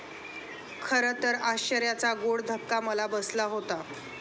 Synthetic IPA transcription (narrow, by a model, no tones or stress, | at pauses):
kʰəɾət̪əɾaɕt͡ɕəɾjat͡saɡoɽd̪ʱəkːaməlabəslaɦot̪a